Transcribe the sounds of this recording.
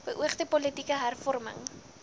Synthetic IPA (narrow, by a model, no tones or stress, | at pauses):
bəʔuəχdipɔlətikəɦærfɔrmə̰ŋ